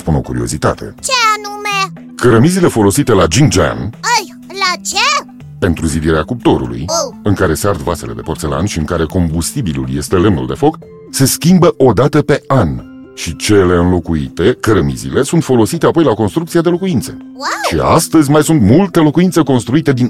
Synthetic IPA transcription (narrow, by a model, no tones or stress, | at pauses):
spuno̞̰kuɾio̞̰zit̪a̰t̪ʰe̞̰t͡ʃeanume | kəɾəmizile̞fo̞lo̞sit̪e̞lad͡ʒiŋd͡ʒa̰nəj | lat͡ʃe | pe̞nt̪ɾuzid̪iɾeakup̚t̪o̞ɾṵlṵjɨŋkaɾe̞seart̪vase̞le̞̰d̪e̞po̞rt̪se̞la̰nʃiɨŋkaɾe̞ko̞mbust̪ibilṵlje̞st̪e̞le̞mnṵld̪e̞fo̞k | se̞skʲimbəʔo̞d̪at̪əpe̞an | ʃit͡ʃe̞le̞ɨnlo̞kuḭt̪e̞kəɾəmḭzḭle̞sunt̪fo̞lo̞sit̪e̞apo̞jlako̞nst̪ɾuk̪̚siad̪e̞lo̞kuint̪se̞ | ʃia̰st̪əzʲmajsunt̪mult̪elo̞kuint̪se̞ko̞nst̪ɾuit̪e̞d̪in